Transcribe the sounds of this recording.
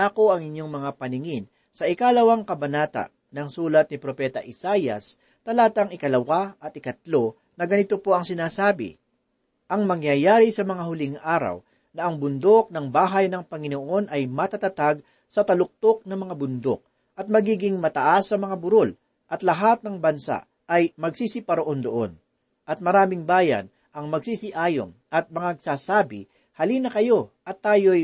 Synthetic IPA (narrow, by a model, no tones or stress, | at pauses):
aːko̞ʔɐŋɪɲjo̞ŋmɐŋapɐnɪŋɪn | sɐʔɪkalɐwaŋkɐbɐnaːt̪a̰ | nɐŋsuːlɐt̪̚nɪpɾopɛːt̪ɐʔɪsajɐ̰s | t̪ɐlaːt̪ɐŋɪkɐlɐwaɐt̪ɪkɐt̪lo̞ | nɐɡɐnɪt̪opo̞ʔɐŋsɪnaːsaːbɪ̰ | ʔɐŋmɐŋjajaːɾisɐmɐŋaɦʊlɪŋʔaːɾɐ̰w | nɐʔɐŋbʊnd̪o̞k̚nɐŋbaːɦɐjnɐŋpɐŋɪnoʔo̞nʔɐjmɐt̪at̪ɐt̪aɡ̚ | sɐt̪ɐlʊk̚t̪o̞k̚nɐmɐŋabʊnd̪o̞̰k̚ | ʔɐt̪̚mɐɡiːɡɪŋmɐt̪ɐʔasːɐmɐŋabʊɾo̞l | ʔɐt̪lɐɦat̪̚nɐŋbɐnsa̰ʔ | ɐjmɐɡsisɪpɐɾoʔo̞nd̪oʔo̞̰n | ʔɐt̪̚mɐɾaːmɪŋbaːjɐ̰n | ʔɐŋmɐɡsiːsɪʔaːjo̰mʔɐt̪̚mɐŋaɐɡ̚saːsaːbɪ̰ | hɐliːnɐkɐjo̞ʔɐt̪ːaːjo̞j